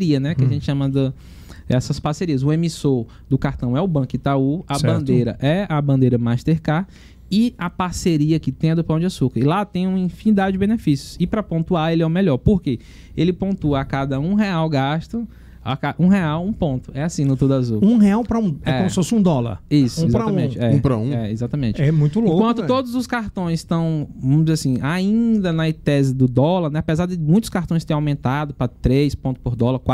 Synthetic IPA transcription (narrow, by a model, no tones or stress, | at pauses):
ɾiɐnɛkɪaʒẽnt͡ʃɪʃɐ̃mɐd̪ɐ | ɛsɐspaɾseɾiɐzʊẽmisoɾ | d̪ʊkaɾt̪ɐ̃w̃ɛʊbɐ̃kɪt̪auɐbɐ̃nd̪ejɾɐ̰ʔɛɐbɐ̃nd̪ejɾɐmajʃt̪eɾka | ɪɐpaɾseɾiɐkɪt̪ẽj̃ɐd̪ʊpɐ̃w̃d͡ʒɪasukɐɾɪlat̪ẽj̃ũĩfĩnid̪ad͡ʒɪd͡ʒɪbẽnefisjʊsɪpɾɐpõnt̪uaɾelɪɛʊmɛʎɔɾpoɾke | elɪpõnt̪uɐakad̪ɐũɦeawɡaʃt̪ɐ | a̰kaũɦeawũpõnt̪ʊɛasĩnʊt̪od̪azuũheawpɾɐũɛkɛõmʊssɪfosɪũd̪ɔlɐ̰ɾisʊũizapɾaaɐãẽt͡ʃɪɛũpɾɐ̰ũɛezat̪ɐmẽt͡ʃɛmũj̃t̪ʊlõkwɐ̃k̪ʊt̪od̪ʊzʊskaɾt̪õj̃st̪ɐ̃w̃võmʊzasĩʔaĩd̪ɐnɐt̪ɛzɪd̪ʊd̪ɔlɐɾnɛapɛzaɾd̪ɪmũj̃t̪ʊ̥skaɾt̪õj̃st̪ẽj̃awmẽnt̪ad̪ʊpɾɐt̪ɾejspõt̪ʊ̥poɾd̪ɔlɐɾkwa